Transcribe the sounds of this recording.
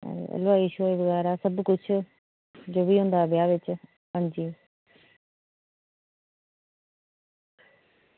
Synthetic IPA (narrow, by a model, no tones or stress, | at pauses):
lʊaːiːʃoːeːbəɡaːɾaːsəbkʊt͡ʃʰ | d͡ʒoːʋiːɦʊ̃ːnd̪aːbjaːʋɪt͡ʃ | ɦãːnd͡ʒiː